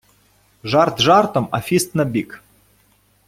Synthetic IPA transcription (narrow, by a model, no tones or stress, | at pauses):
ʐart̪ʒart̪omɐfʲist̪nɐbʲik